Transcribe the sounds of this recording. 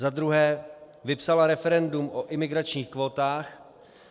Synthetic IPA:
zad̪ɾuɦɛː | vɪpsalaɾɛfɛɾɛndumʔoʔɪmɪɡɾat͡ʃɲiːxkvo̞ːt̪aːx

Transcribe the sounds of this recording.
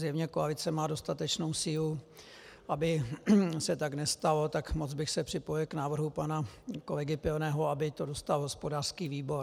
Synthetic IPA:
zjɛvɲɛkoalɪt͡sɛmaːdo̞st̪at̪ɛt͡ʃno̞wsiːlu | ʔabɪsɛt̪aɡnɛst̪alo̞t̪akmot͡sbɪxsɛpr̥ɪpo̞jɪlknaːvr̩ɦupanako̞lɛɡɪpɪonɛːɦoabɪt̪o̞do̞st̪alɦo̞spo̞daːr̥skiːviːbo̞ɾ

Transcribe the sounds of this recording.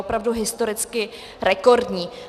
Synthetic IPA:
opɾavduɦɪst̪o̞ɾɪt͡skɪ | ɾɛko̞ɾdɲiː

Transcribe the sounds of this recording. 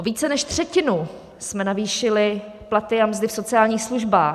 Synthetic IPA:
viːt͡sɛnɛʃt̪r̝̥ɛcɪnu | smɛnaviːʃɪlɪ | plat̪ɪamzdɪfso̞t͡sɪaːlɲiːxsluʒbaː

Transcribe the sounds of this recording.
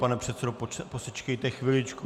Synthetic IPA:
panɛpr̥ɛt̪sɛdopposɛt͡ʃkɛjt̪ɛxʋɪlɪt͡ʃku

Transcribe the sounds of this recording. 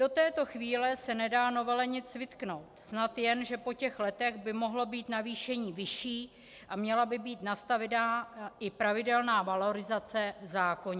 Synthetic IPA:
d̥o̞t̪ɛːt̪o̞xviːlɛsɛnɛdaːno̞vɛlɛɲɪt͡svɪt̪kno̞wt̪snat̪jɛnʒɛpo̞cɛxlɛt̪ɛɣbɪmo̞ɦlo̞biːt̪naviːʃɛɲiːvɪʃiː | ʔamɲɛlabɪbiːt̪nast̪avɛdnaːʔɪpɾavɪdɛlnaːvalo̞ɾɪzat͡sɛvzaːko̞ɲɛ

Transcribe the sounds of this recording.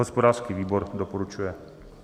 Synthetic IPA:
ɔspɔd̪aːɾskiʋiːbɔɾd̪ɔpɔɾut͡ʃujɛ

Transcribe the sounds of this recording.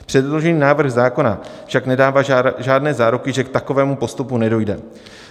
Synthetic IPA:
pr̝̥ɛdlo̞ʒɛniːnaːvr̩xzaːko̞nafʃaknɛdaːvaːʒaːdnɛːzaːɾukɪʒɛkt̪ako̞vɛːmupo̞st̪upunɛdo̞jdɛ

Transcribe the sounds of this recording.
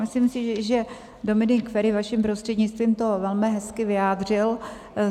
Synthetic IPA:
mɪslimsɪʒɛ | do̞mɪnɪkfɛɾɪvaʃɪmpɾost̪r̥ɛdɲɪt͡st̪viːmt̪o̞vɛlmɪɦɛskɪvɪjaːd̪r̝ɪl

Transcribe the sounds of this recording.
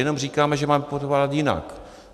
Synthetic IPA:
jɛno̞mr̝iːkaːmɛʒɛmaːmɛpot̪vaːlat̪jɪna̰k

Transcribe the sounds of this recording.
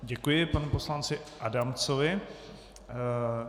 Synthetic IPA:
ɟɛkujɪpanuposlant͡sɪʔadamt͡sovɪ

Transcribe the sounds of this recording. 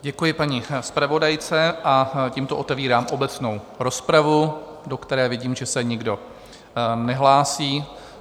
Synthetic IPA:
ɟɛkujɪpaɲispɾavo̞dajt͡sɛʔaciːmt̪oʔo̞t̪ɛviːɾaːmʔo̞bɛt͡snow | ɾo̞spɾavu | dokt̪ɛɾɛːvjɛɟiːmʒɛsɛɲɪɡdo̞ | nɛɦlaːsiː

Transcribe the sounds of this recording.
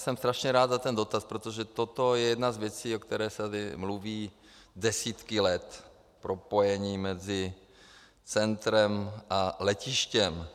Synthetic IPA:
sɛmst̪ɾaʃɲɛɾaːd̪zat̪ɛndot̪aspɾot̪oʒɛt̪ot̪o̞jɛjɛdnazvjɛt͡siːokt̪ɛɾɛːsɛt̪adɪmluviː | dɛsiːt̪kɪlɛt̪ | pɾo̞po̞jɛɲiːmɛzɪ | t͡sɛnt̪ɾɛmʔalɛcɪʃcɛm

